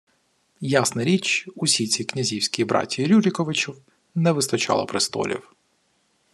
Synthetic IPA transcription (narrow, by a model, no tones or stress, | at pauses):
jasnɐɾʲit͡ʃusʲit͡sʲiknʲɐzʲiwsʲkʲijbɾɑ̰tʲːiɾʲulʲɪkɔʋɪt͡ʃiw | nɛʋɪst̪ɐt͡ʃɑ̰lˠɐ̰pɾɪst̪ɔ̰lʲḭw